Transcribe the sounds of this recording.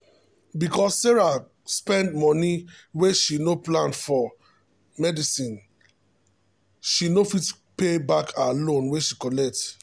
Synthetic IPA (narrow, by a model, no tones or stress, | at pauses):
bikɔsːeɹa | spɛ̃ndmɔniweʃinoplãnfɔ | mɛdisĩn | ʃinofit | pebakʰalõnweʃikɔlɛk̚t